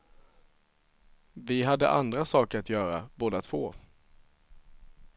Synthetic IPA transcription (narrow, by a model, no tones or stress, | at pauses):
vɪɦad̪ːə̰ʔand̪ɾasɑːkəɾat̪jœːɾaboːd̪at̪ʰv̥oː